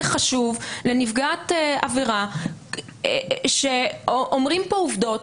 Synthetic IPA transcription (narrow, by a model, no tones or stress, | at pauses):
χaʃuvle̞nifɡat̪eaviʁa | ʃeʔomʁimpouvd̪o̞t